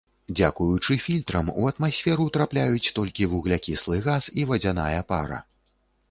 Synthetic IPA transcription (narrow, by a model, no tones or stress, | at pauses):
d͡zʲakujut͡ʂɨfʲilʲt̪ɾɐmuɐt̪masʲfʲɛɾut̪ɾaplʲajut͡sʲt̪ɔlʲkʲivuɣlʲakʲislˠɨɣasivɐd͡zʲana̰jɐpa̰ɾɐ̰